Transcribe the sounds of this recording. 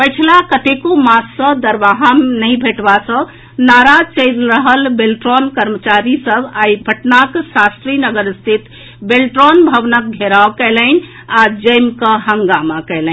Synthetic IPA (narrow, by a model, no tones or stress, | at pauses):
pəjt͡ʃʰilakət̪ekomassə̃d̪əɾʋaɦamnəĩbʱeʈbasə̃ | naɾat͡ʃəɪlɾəɦəlbelʈɾɔnkəɾmət͡ʃaɾisəbajbʱəʈnaksast̪ɾinəɡəɾst̪ʰit̪ | belʈɾɔnbʱəʋnək̚ɡʱeɾawkɛlən | ad͡ʒəjmkəɦəŋɡamakɛɪlɛ